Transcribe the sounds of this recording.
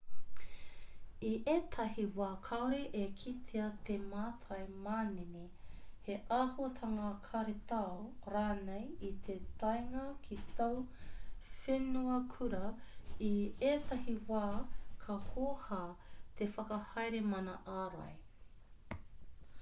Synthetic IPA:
iʔeːt̪ʰɐɦiwaːkʰɐwɾeʔekʰit̪ʰeɐt̪ʰemaːtʰɐjmaːnene | heʔahuɐt̪ʰɐŋakʰɐɾet̪aoɾaːnejit̪ʰet̪ɐjŋɐkʰit̪ow | fenuɐkʰuɾɐieːt̪ɐhiwaːkʰɐhohaːt̪ʰefɐkɐhɐjɾemɐnɐʔaːɾa̰j

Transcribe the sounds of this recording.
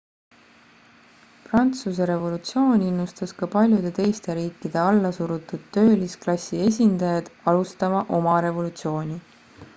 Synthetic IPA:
prɑnt̪sus̬e̞ɾe̞vo̞lut̪sio̞ːnʲinːust̪ɑskɑpɑlʲjud̪̥e̞t̪e̞jst̪e̞ɾiːkːˑid̪̥e̞ɑlːɑsuɾut̪ːˑud̪̥t̪ø̞ːlisklɑsʲie̞s̬ʲind̪ɑjɑd̪̥ɑlust̪ɑmɑʔo̞mɑɾe̞vo̞lut̪sio̞ːnʲi

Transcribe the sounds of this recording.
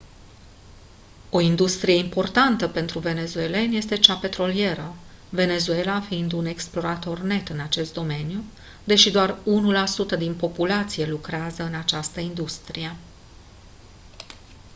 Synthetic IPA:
o̞ind̪ust̪ɾije̞impo̞rt̪ant̪əpe̞nt̪ɾuve̞ne̞zue̞le̞nʲje̞st̪e̞t͡ʃape̞t̪ɾo̞lie̞ɾə | ve̞ne̞zue̞lafiind̪une̞ksplo̞ɾat̪o̞rne̞t̪ɨnat͡ʃe̞st̪̚d̪o̞me̞nju | d̪e̞ʃid̪oarunulasut̪əd̪inpo̞pulat̪sije̞lukɾeazəɨnat͡ʃast̪əind̪ust̪ɾije̞

